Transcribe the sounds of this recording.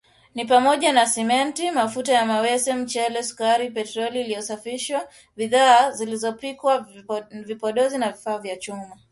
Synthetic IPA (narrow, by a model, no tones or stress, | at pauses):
nipamɔʄanasɛmɛntimafutajamawɛsɛm̩t͡ʃɛlɛsu̥kaɾipɛtɾɔliːlijɔsafiʃwa | ɓiðaːzilizɔpikwavipɔɗɔzinavifaːvjat͡ʃuma